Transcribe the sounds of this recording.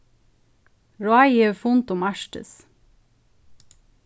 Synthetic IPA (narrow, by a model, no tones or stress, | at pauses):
ɹoɑɪeʋfʊnt̪ʊmæʃʈə̰s